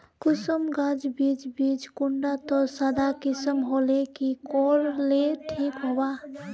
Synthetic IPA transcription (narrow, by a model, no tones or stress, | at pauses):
kʊsəmɡãd͡ʒbit͡ʃbid͡ʒkuɳɖat̪ɔsad̪akisəmɦolekikɔɾleʈʰikɦoba